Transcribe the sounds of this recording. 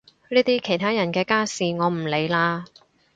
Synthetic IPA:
liː˥t̪iː˥kʰe˨˩jt̪ʰaː˥jɐ˨˩nkɛː˧kaː˥siː˨ŋɔː˨˧m̩˨˩le˨˧jlaː˧

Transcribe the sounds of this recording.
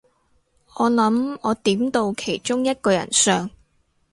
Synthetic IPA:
ʔɔː˨˧lɐ˨˥mɔː˨˧t̪iː˨˥mt̪o˧wkʰe˨˩jt͡ʃʊ˥ŋjɐ˥t̚kɔː˧jɐ̰˨˩nsœː˨˧ŋ

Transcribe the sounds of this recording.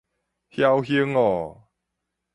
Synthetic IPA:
hja˥˧whji˧˦ŋɔ˨˩

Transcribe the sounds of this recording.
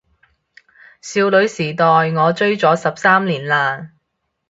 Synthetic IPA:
siː˧wlɵ˨˧ɥsiː˨˩t̪ɔː˨jŋɔː˨˧t͡ʃɵ˥ɥt͡sɔː˨˥sɐ˨p̚saː˥mliː˨˩nlaː˨n

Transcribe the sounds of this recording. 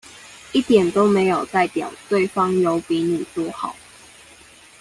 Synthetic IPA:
i˥˩t̪jɛ˨˩nt̪o˥˦ʊme˨˧˥ɪjo˨˩ʊt̪a˥˨ɪpjɑ˨˩ʊt̪we˥˨ɪfɑ˥ŋjo˨˦ʊpi˨˦ny˨˩t͡swɔ˥xɑ˨˩˦ʊ

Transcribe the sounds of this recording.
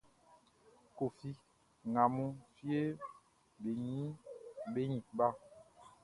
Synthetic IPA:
ko˨fi˦ | ŋa˨mũ˦fi˦e˦ | ɓe˨ɲĩ˦ɓe˦ɲĩ˨ɓa˦

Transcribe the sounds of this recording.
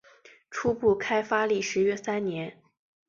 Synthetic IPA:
ʈ͡ʂʰu˥pu˥˩kʰa˥ɪfa˥li˥˩ʂɻ̩˧˥ɥɛ˥sa˥nnjɛ˧˥n

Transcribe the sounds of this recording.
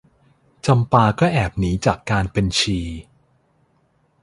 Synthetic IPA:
t͡ɕa˧mpaː˧kɔː˥˩ʔɛː˨˩p̚niː˩˦t͡ɕaː˨˩kːaː˧npe˧nt͡ɕʰiː˧

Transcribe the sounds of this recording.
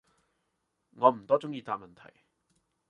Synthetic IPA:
ŋɔː˨˧m̩˨˩t̪ɔː˥t͡sʊ˥ŋjiː˧t̪aː˧p̚mɐ˨nt̪ʰɐ̰˨˩j

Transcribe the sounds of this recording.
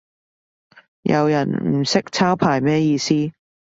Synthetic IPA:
jʔɐ̰˨˧wjɐ˨˩nm̩˨˩sɪ˥k̚t͡sʰaː˥wpʰaː˨˩jmɛː˥jiː˧siː˥

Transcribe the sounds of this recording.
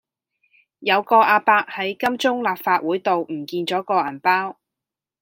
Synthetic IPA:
jɐ˨˧wkɔː˧ʔaː˧paː˧k̚hɐ˨˥jkɐ˥mt͡sʊ˥ŋlaː˨p̚faː˧t̚wuː˨˥jt̪o˨wm̩˨˩kiː˧nt͡sɔː˨˥kɔː˧ɐ˨˩npaː˥w

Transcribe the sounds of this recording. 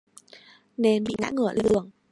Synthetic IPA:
ne˨˧nɓḭ˧˨ŋa̰ː˧˥ŋɨ˨˧˩əla˧˦ɨ˨˩əŋ

